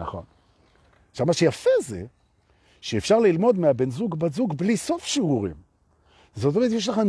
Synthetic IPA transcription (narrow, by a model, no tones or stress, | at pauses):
na̰χo̞̰n | ʃavmaʃejafezḛ | ʃeefʃaʁlilmo̞d̪meabenzuɡbazuɡbliso̞fʃiuʁḭm | zot̪omɛet̪̬jeʃ̬laχan